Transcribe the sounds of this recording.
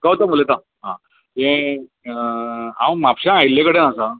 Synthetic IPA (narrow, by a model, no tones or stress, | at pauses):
kat̪amulet̪a | ɦã | ẽ | ã̰wmapɕãajilẽkəɽenasa